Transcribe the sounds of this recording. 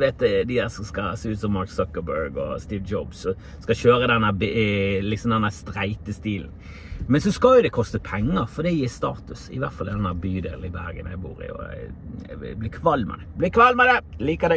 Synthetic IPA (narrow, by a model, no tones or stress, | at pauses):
ʋeːt̪d̪ɪd̪æːɾsɔmskɑseːʉːt̪sɔmːɑɾksɔkːəbœɾɡɔ̰st̪iːʋd͡ʒɔbsɔ | skɑɕøːɾəd̪ɛnːæblɪksɔmd̪ɛnːæːɾst̪ɾæɪt̪əst̪iːln̩ | mɛnsɔskɑljʊd̪ɛkʰɔst̪əpʰɛŋːəɾfɔd̪ɛjiːɾst̪ɑːt̪ʉsɪ̰ʋæɾt̪fɑlɛd̪ɛnd̪æːbyːd̪eːlɪbæɾɡə̰njæɪbṵːɾɪ̰ɔ̰ | blɪkʰʋɑlːmɛ̰d̪ɛblɪkʰʋɑlmɛd̪ɛliːkəd̪æ